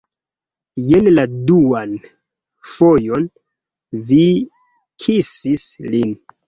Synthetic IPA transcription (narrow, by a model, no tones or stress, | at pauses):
jenladuan | fojo̞n | vi | kʰisislin